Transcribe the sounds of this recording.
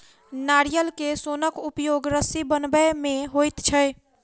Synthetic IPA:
naɾijəlkesonəkupjoɡɾəsibənbəmeɦojt̪t͡ʃʰəj

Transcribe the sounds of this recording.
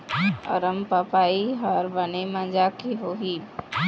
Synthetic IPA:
ə̰ɾəmpəpaːiɦəɾbənemãnd͡ʒakiɦoɦiː

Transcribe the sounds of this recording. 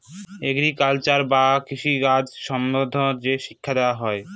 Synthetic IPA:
eɡɾikalt͡ɕaɾbakiʃiɡad͡ʑʃɔmnod̪ʱoɾd͡ʑeʃi̥kʰːad̪eoaɦɔe

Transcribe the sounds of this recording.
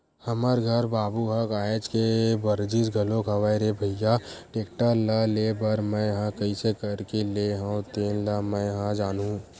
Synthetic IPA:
hɐməɾɡʱɐɾbaːbuɦɐkaːed͡ʒkebɐɾd͡ʒisɡʱɐlõkʰɐʋaːjɾebʱɐjaʈeːkʈalɐleːbɐɾmɛ̃jɐɦãkɐisekɐɾkeleɦãt̪eːnləmɛ̃jɐɦãd͡ʒaːnɦũ

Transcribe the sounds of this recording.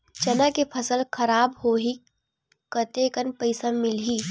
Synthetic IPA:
t͡ʃɐnakepʰəsəlkʰɐɾaːbhoːɦi | kət̪ekənpəɪsamɪlɦiː

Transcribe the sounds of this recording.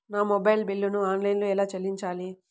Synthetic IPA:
naːmobɐjlbilːunuaːnlɐjnloːɛlaːt͡ʃelːiɲt͡ʃaːli

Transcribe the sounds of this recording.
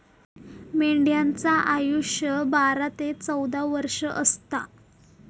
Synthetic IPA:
meɳɖjant͡saʔajuʂjəbaɾat̪et͡səwd̪aʋəɾʂəʔəst̪a̰

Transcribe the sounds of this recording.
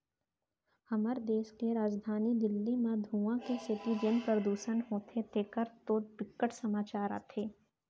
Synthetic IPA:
hɐməɾd̪eːʃkeɾaːd͡ʒd̪ʱaːnid̪ɪlːimãd̪ʱuːãkesɪʈ̪id͡ʒɪnpɾəd̪uːʃənɦoːt̪ʰet̪eːkəɾt̪oːbɪkːəʈsɐmaːt͡ʃaːɾa̰ːt̪ʰeː

